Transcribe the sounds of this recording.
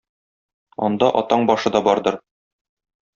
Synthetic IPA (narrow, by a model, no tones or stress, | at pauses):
ɒ̰nd̪ɑʔɒt̪ɑɴbɒʃɤd̪ɒbɒɾd̪ɤɾ